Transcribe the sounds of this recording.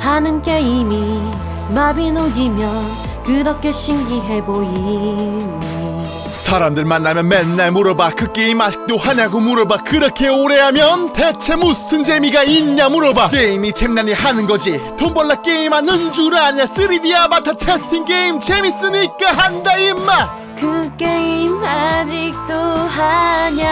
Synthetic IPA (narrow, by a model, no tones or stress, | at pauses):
hanɯnkeimi | mabinoɡimjʌn | kɯɾʌp̚k͈eɕʰiŋɡiɦeboi | sʰaɾamdɯɭmanːamjʌnmenːaɭmuɾʌbakɯk͈eimḁk̚t̪͈ohaɲaɡomuɾʌbakɯɾʌkʰe̞oɾeamjʌnt̪e̞t͡ɕʰe̞musɯnd͡ʑe̞miɡaiɲːamuɾʌbak͈eimit͡ɕʰeŋnaɲihanɯnɡʌd͡ʑit̪ʰombʌɭːak͈eimanɯnd͡ʑuɾɯaɲiɲas͈ɯɾidiabat̪ʰat͡ɕʰetʰiŋkeimt͡ɕemis͈ɯmɲik͈aɦandaimːa | kɯkeimad͡ʑik̚t̪͈oɦaɲa